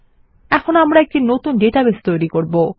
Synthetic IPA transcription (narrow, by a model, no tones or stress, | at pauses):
ɛkʰonoamɾaɛk̚ʈinot̪unɖeʈabest̪ojɾikoɾbo